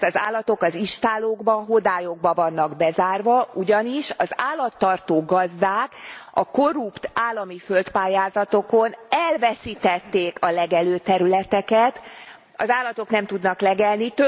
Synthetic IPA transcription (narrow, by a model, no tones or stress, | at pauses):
t̪ɒza̰ːlːɒt̪okɒziʃt̪aːloːɡbɒɦod̪aːjo̞ɡ̚bɒvɒnːɒɡbɛzaːrvɒʔuɟɒniʃɒza̰ːlːɒt̪ːɒrt̪oːɡɒzd̪aːkɒko̞rupt̪aːlːɒmifø̞lt̪paːjaːzɒt̪o̞ko̞nɛlvɛsiːt̪ɛt̪ːeːkʰɒlɛɡɛløːt̪ɛɾylɛt̪ɛkɛt̪ | ɒ̰zaːlːɒt̪o̞knɛmt̪ud̪nɒklɛɡɛlnit̪ø